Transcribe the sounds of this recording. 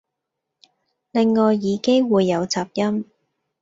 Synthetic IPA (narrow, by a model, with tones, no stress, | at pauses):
lɪ˨ŋːɔː˨jːiː˨˧ke˥jwuː˨˧jːɐ˨˧wt͡saː˧p̚jɐ˥m